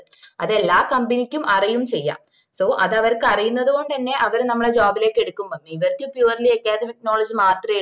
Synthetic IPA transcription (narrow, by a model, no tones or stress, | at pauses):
ɐ̰ðe̞lːaːkɐmbinikʲːumʔɐrijumt͡ɕe̞jːa̰ːm | so̞ːʔɐðɐʋɐrkɨɐrijunːɐðuɣo̞ɳɖɐnːe̞ʔɐʋɐɾnɐmːɐɭed͡ʑoːbile̞ːkːe̞ɽukːumpɐnːiiʋɐrkɨpjuːɐrɐliɐkːaːdɐmiknoːɭɐd͡ʑimaːt̪rɐe